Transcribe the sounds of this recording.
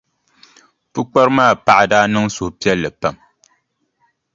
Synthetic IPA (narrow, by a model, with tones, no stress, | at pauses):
pɨ˦k͡pa˦ɾmaː˦˨pa˦˨ʔa˨daː˦nɨ˦ŋso˨hpi˦ɛ˦lːɨ˨pa˨m